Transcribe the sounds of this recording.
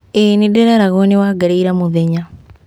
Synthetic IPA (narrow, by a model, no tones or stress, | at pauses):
enideɾɛɾaɣonewaɡaɾiiɾamuðeɲa